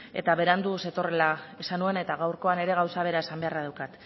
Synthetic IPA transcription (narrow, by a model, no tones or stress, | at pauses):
e̞̰t̪aβe̞ɾand̪use̞t̪o̞relaesanue̞ne̞t̪aɣawɾko̞ane̞ɾe̞ɣawsaβ̞e̞ɾae̞sambe̞araðawkat̪